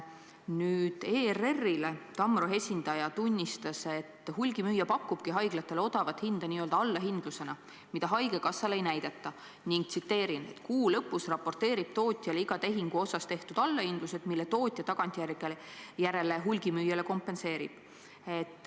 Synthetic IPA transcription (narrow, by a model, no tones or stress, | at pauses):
nyːd̪̥eːre̞rːile̞t̪ɑmːroɦe̞sʲind̪ɑjɑt̪unʲːist̪ɑse̞t̪ːhulʲɡ̥imyːjːɑpɑkːˑub̥kiɦɑjɡ̥lɑt̪ːˑele̞o̞d̪̥ɑvɑt̪hind̪̥ɑniːø̞ld̪ɑɑlːɑɦind̪̥luse̞nɑ | mid̪ɑɦɑjɡ̥e̞kɑsːɑle̞jnæjd̪̥et̪ːˑɑ | niŋɡ̥t̪sit̪ːe̞ːɾinet̪kuːlɤpːˑusrɑpːo̞rt̪e̞ːɾib̥̚t̪o̞ːt̪ʲˑjɑliɡ̥ɑt̪e̞ɦiŋɡ̥uo̞sɑst̪e̞ht̪ud̪ɑlːɑhind̪̥luse̞d̪̥milːet̪o̞ːt̪ʲˑjɑt̪ɑɡ̥ɑnt̪ʲːˑijærikːeljæɾe̞le̞ɦulɡ̥imyːjele̞ko̞mpːˑe̞nse̞ːɾḭb̥ | e̞t̪ːˑ